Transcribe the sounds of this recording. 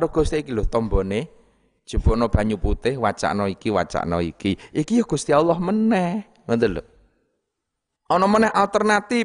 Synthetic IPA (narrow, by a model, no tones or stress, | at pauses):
aɾʊhɡ̥o̤st̪iikilʊht̪ɔmbɔne̥ | ʒ̥ə̤b̥ɔ̤nɔb̥ä̤ɲuput̪ɪhwat͡ʃa̰ʔnɔikiwa̰t͡ʃa̰ʔnɔ̰ḭkiʔikijɔɡ̥ṳst̪ialɔhmənɛh | ŋənt̪əlo̰ | ʔɔnɔmənɛɦalt̪ərnat̪i